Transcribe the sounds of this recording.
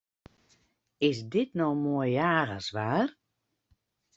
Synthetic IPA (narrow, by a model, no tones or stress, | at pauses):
ɪsdɪtnɔmoəjaːɣəsʋaːr